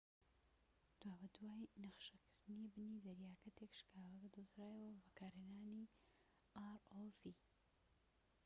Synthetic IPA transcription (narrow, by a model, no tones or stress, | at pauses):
d̪̥waːbɐd̪waːjnɐχʃɐkʰɨɾd̪ɨnibɨnid̪ɐɾjaːkɐt̪ekʃkʰaːwɐbɐd̪ozɾaːjɐwɐbɐkaːɾhenaːni | aːɾolfi